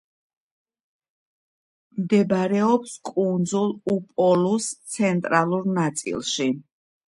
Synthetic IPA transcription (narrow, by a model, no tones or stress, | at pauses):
md̪ɛbɾɛɔpskʼund̪zulˠupʼɔlust̪sʰɛnt̪ʼɾalˠuɾnat̪sʼḭlˠʃi